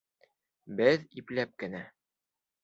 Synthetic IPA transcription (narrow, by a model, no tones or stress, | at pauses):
bɘðiplæp̚kɘ̆næ